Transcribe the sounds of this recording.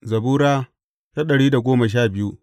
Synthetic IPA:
zɐ˨buː˦ɾaː˦ | ta˦ɗɐ˨ɽiː˦da˨ɡʷoː˦mɐ˨ʃ̬aː˦˨bɪ˦ju˦

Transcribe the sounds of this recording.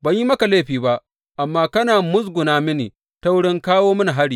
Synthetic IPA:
bɐ˨ɲji˦mɐ˦ka˨leː˦ɸiː˨ba˦ʔ | ʔa˨mːaː˦kɐ˦naː˨mʊ˦s̬ɡʷʊ˨naː˦mɪ˦niː˨ | ta˦wʊ˦ɽɪ˦ŋkaː˦woː˦mɐ˦na˨ɦa˦ɽiː˨

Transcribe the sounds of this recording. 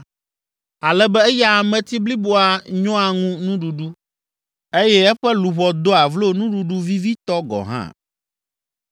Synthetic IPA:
a˨lɛ˦bɛ˦ɛ˦jɛ˦a˨mɛ̃˨t̪i˦bli˦bo˦a˨ɲɔ̃˦a˨ŋũ˦nũ˦ɖu˨ɖu˦ | e˦jɛ˦ɛ˦ɸɛ˦lu˨βɔ˨d̪o˦a˨vlo˦nũ˦ɖu˨ɖu˦vi˦vi˦t̪ɔ˦ɡɔ̰˨ɦã̰˦

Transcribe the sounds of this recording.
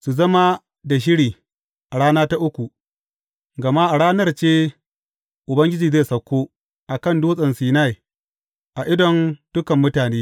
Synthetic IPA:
su˨zɐ˦ma˦ | da˨ʃ̬ɪ˦ɽiː˨ | ʔa˨ɽaː˦naː˦ta˦ʔʊ˦kʷu˨ | ɡɐ˨ma˦ʔa˨ɽaː˦nɐ˦rt͡ʃeː˦ | ʔʊ˨bɐ˦ŋɡʲɪ˦d͡ʒiː˨zeː˦˨sɐ˨kʷːoː˦ | ʔa˨kɐ˦˨ndoː˦sʼɐ˨nsiː˦na˦˨j | ʔa˨ʔɪ˦dɔ˨nd̥ʊ˦kɐ˨mːʊ˦taː˨neː˦

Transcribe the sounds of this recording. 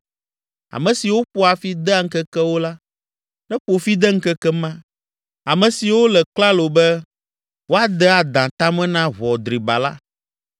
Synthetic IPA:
a̰˨mɛ̃˨si˨wo˦ɸo˦a˨fi˦d̪ɛ˦a˨ŋ̩˦kɛ˦kɛ˦wo˦la˦ | nɛ̃˦ɸo˨fi˦d̪ɛ˦ŋ̩˦kɛ˦kɛ˦mã˦ | a˨mɛ̃˨si˨wo˦lɛ˨k͡pla˦lo˨bɛ˦ | wo˦a˦d̪ɛ˦a˨d̪ã˨t̪ã˦mɛ̃˦nã˦βɔ˨d̪ɾi˨ba̰˨la˦

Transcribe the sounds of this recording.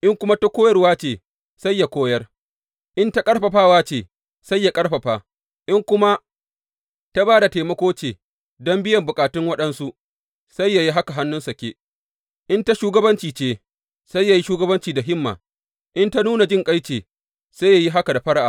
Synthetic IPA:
ʔɪ˦ŋkʷʊ˦ma˦ta˦kʷoː˦jɐ˦rwaː˦t͡ʃeː˨ | sa˦jːa˨kʷoː˦jɐ˦r | ʔɪ˦nta˦kʼɐ˦ɽɸɐ˨ɸaː˦waː˦t͡ʃeː˨ | sa˦jːa˨kʼɐ˦ɽɸɐ˨ɸaː˨ | ʔɪ˦ŋkʷʊ˦ma˦ | ta˦baː˦da˨teː˨mɐ˦kʷoː˦t͡ʃeː˨ | dɔ˦mbɪ˦jɐ˨mbʊ˨kʼaː˨tɪ˦ŋwɐ˦ɗɐ˦nsu˦ʔ | sa˦jːa˨ji˦ɦa˦ka˨ɦa˦nːʊ˦nsɐ˨kʲeː˦ | ʔɪ˦nta˦ʃuː˦ɡɐ˦bɐ˦nt͡ʃiː˨t͡ʃeː˦ | sa˦jːa˨ji˦ʃuː˦ɡɐ˦bɐ˦nt͡ʃiː˨da˨ɦɪ˦mːa̰ː˨ | ʔɪ˦nta˦nuː˦na˨d͡ʒɪ˦ŋkʼa˦jt͡ʃeː˨ | sa˦ja˨ji˦ɦa˦ka˨da˨ɸɐ˦ɽʔa̰ː˨

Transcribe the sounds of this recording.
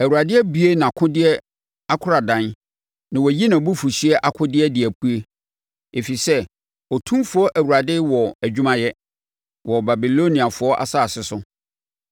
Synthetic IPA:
æ˨wu˨ɾa˨dɪ˦æ˦bi˦e˦nã˨kʰʊ̃˦dɪ˦ɛ˦ | a˦kʰʊ˦ɾa˨dã˨n | nã˨wɔ˨ji˦nã˨bu˦fu˨si˦ɛ˦ʔa˨kʰʊ̃˦dɪ˦ɛ˦dɪ˨æ˨pʰu˦e˦ | e˨fi˨sɛ˦ | ɔ˨tʰũ˦mfʊ˨˦ɔ˦ʔæ˨wu˨ɾa˨dɪ˦wɔ˨æ˨d͡ʑᶣu˦mã˦jɛ˦ | wɔ˨ba˨bi˨lo˦nĩ˨a˨fʊ˨˦ɔ˦ʔa̰˨sa˦˨sɪ˨sʊ˦

